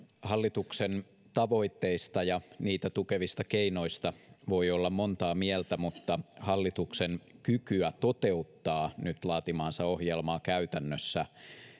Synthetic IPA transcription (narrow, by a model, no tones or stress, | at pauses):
hɑlːit̪uksen | t̪ɑʋo̞it̪ːeist̪ɑjɑniːt̪æt̪ukeʋist̪ɑkeino̞ist̪ɑʋo̞iolːɑmmont̪ɑːmielt̪æmut̪ːɑhɑlːit̪uksenkykyæt̪ot̪eut̪ːɑːnyt̪lɑːt̪imɑːnsɑo̞hjelmɑːkæyt̪ænːøsːæ